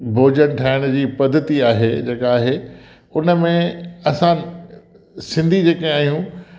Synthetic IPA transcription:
bʱoːd͡ʑənʈʰaːɪɽ̃d͡ʑiːpɐd̪ʱət̪iaːɦed͡ʑeːkaːɦe | ʊnəmẽɐsã | sɪ̃nd̪ʱid͡ʑeːkẽaːɦijũ

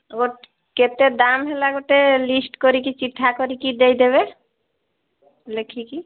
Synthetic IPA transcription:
ɡoʈ | ket̪ed̪amɦelaɡoʈelisʈkoɾikit͡ɕiʈʰːakoɾikid̪ejd̪eβe | lekʰiki

